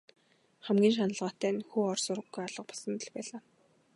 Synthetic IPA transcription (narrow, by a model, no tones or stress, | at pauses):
χæmɡʲiːnʃ̬anə̆ɮʁaːt̪æːnxuːɔrsʊɾə̆ɡːujaɮə̆q̚pɔ̥sə̆nt̪ə̆ɮpæːɮaː